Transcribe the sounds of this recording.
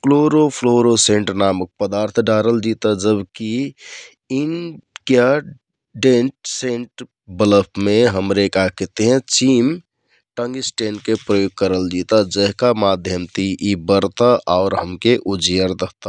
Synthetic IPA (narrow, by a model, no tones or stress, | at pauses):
kloɾopʰloɾosẽɳʈnamək̚pəd̪aɾt̪ʰɖaɾəld͡ʒit̪ad͡ʒəbki | inkja | ɖenʈseɳʈ | bələpʰmẽɦəmɾekakɛt̪eɦɛ̃t͡ʃim | ʈə̃ŋɡisʈenkepɾəjoɡ̚kəɾəld͡ʒit̪ad͡ʒəɦkamad̪ʱjəmt̪ʰiʔibəɾt̪aʔɔʊɾɦəmkeʔud͡ʒijəɾd̪əɦt̪a